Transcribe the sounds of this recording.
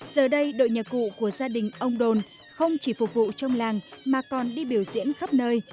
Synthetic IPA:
z̥əː˨˩ɗə˧jɗo̰˧˨jɲə˨˩t̚kṵ˧˨ku˧˩əzaː˧ɗï˨˩ŋ̟ʔə˧wŋ͡mɗo˨˩n | xə˧wŋ͡mt͡ɕi˧˩fʊ˨˩k̚vṵ˧˨t͡ɕɔ˧wŋ͡mlaː˨˩ŋmaː˨˩kɔ˨˩nɗi˧ɓi˧˩əwzḭ˧˥ənxə˦˥p̚nəː˧j

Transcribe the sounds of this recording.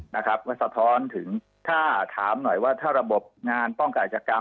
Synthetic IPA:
na˦˥kʰɾa˦˥p̚kɔː˥˩sa˧t̪ʰɔː˦˥nt̪ʰɯ˩˦ŋ | t̪ʰaː˥˩t̪ʰaː˩˦mnɔ˨˩jwaː˥˩t̪ʰaː˥˩ɾa˧bo˨˩p̚ŋaː˧npɔ˥˩ŋka˨˩nt͡ɕaː˨˩ka˧

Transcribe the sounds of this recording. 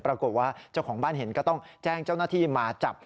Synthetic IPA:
pɾa˧ko˨˩t̪̚waː˥˩t͡ɕa˥˩wkʰɔː˩˦ŋbaː˥˩nhɦe˩˦nkɔː˥˩t̪ɔ˥˩ŋt͡ɕɛː˥˩ŋt͡ɕa˥˩wnaː˥˩t̪ʰiː˥˩maː˧t͡ɕa˨˩p̚

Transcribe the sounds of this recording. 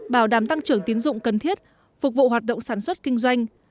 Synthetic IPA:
ɓaː˧˩wɗaː˧˩mt̪a˧ŋt͡ɕɨ˧˩əŋt̪i˨˦ənzʊ̰˧˨ŋ͡mkə˨˩nt̪ʰi˦˥ət̚ | fʊ˨˩k͡p̚vṵ˧˨ɦwaː˨˩t̚ɗo̰˧˨ŋ͡msaː˧˩nswə˦˥t̚kï˧ŋ̟zwa˧jŋ̟

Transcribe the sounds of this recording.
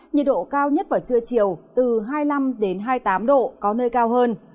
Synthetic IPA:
ɲə˨˩t̚ɗo̰˧˨kaː˧wɲə˦˥t̚vaː˨˩t͡ɕɨ˧ət͡ɕi˧˩əwt̪ɨ˨˩ɦaː˧jla˧mɗe˨˦nɦaː˧jt̪aː˨˦mɗo̰˧˨kɔ˨˦nəː˧jkaː˧wɦəː˧n

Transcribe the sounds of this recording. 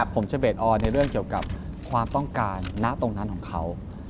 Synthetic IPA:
pʰo˩˦mt͡ɕʰa˧˦beː˨˩t̪̚ʔɔː˧nːa˧jɾɯ˥˩əŋki˨˩əwka̰˨˩p̚ | kʰwaː˧mt̪ɔ˥˩ŋkaː˧nːa˦˥t̪o˧ŋna˦˥nkʰɔː˩˦kʰa˦˥w

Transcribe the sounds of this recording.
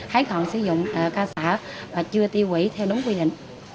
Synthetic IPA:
haː˨˦jhɔ̰˧˨nsɨ̰˧˦zʊ̰˧˨ŋ͡mʔəː˨˩kaː˧saː˧˩˥t͡ɕɨ˧ət̪i˧əwwḭ˧˩t̪ʰɛ˧wɗʊ˨˦ŋ͡mkwi˧ɗḭ̈˧˨ŋ̟

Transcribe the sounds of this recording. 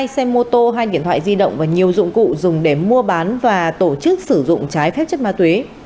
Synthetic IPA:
jsɛ˧mːo˧t̪o˧ɦaː˧jɗḭ˧˨ənt̪ʰa̰ː˧˨jzi˧ɗə̰˧˨wŋ͡mvaː˨˩ɲi˨˩əwzʊ̰˧˨ŋ͡mkṵ˧˨zʊ˨˩ŋ͡mɗe˧˩mu˧əɓaː˨˦nvaː˨˩t̪o˧˩t͡ɕɨ˦˥k̚sɨ˧˩zʊ̰˧˨ŋ͡mt͡ɕaː˨˦jfɛ˦˥p̚t͡ɕə˦˥t̚maː˧t̪we˨˦

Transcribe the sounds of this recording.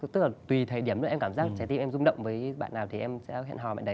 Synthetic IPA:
t̪ɨ˦˥k̚laː˨˩t̪wi˨˩t̪ʰəː˨˩ɗi˧˩əm˨˧˩ɛ˧ŋ͡mkaː˧˩mzaː˦˥k̚t͡ɕa˨˦t̪i˧mʔɛ˧mzʊ˧ŋ͡mɗə̰˧˨wŋ͡mvəː˨˦jɓa̰ː˧˨nːaː˨˩wt̪ʰi˨˩ʔɛ˧msɛ̰˧˥ɦɛ̰˧˨nɦɔ˨˩ma̰ː˧˨nɗə˨˦

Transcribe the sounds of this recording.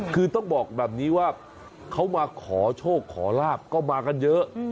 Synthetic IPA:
kʰɯː˧t̪ɔ˥˩ŋbɔː˨˩k̚bɛː˨˩p̚niː˦˥waː˥˩ | kʰa˦˥wmaː˧kʰɔː˩˦t͡ɕʰoː˥˩kʰːɔː˩˦laː˥˩p̚kɔː˥˩maː˧ka˧njɤ˦˥ʔ

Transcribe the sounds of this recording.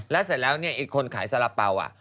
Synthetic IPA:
lɛː˦˥sa˨˩t̪̚lɛː˦˥wni˥˩ɐʔiː˨˩kʰːo˧nkʰaː˩˦jsa˧˦la˨˩p̚ːa˧wʔa̰˨˩ʔ

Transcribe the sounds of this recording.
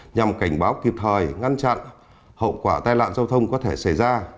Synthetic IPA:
ɲa˨˩mka˧˩jŋ̟ɓaː˨˦wki˨˩p̚t̪ʰəː˨˩jŋa˧nt͡ɕa̰˧˨n | hə̰˧˨wkwaː˧˩t̪aː˧jla̰ː˧˨nzaː˧wt̪ʰə˧wŋ͡mkɔ˨˦t̪ʰe˧˩sa˧˩jzaː˧

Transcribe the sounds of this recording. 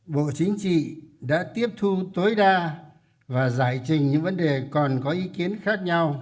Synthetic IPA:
ɓo̰˧˨t͡ɕï˨˦ŋ̟t͡ɕḭ˧˨ɗa̰ː˧˥t̪i˦˥əp̚t̪ʰu˧t̪o˨˦jɗaː˧ | vaː˨˩zaː˧˩jt͡ɕï˨˩ŋ̟ɲɨ̰˧˥ŋvə˨˦nɗe˨˩kɔ˨˩nkɔ˨˦ʔi˨˦ki˨˦ənxaː˦˥k̚ɲa˧w

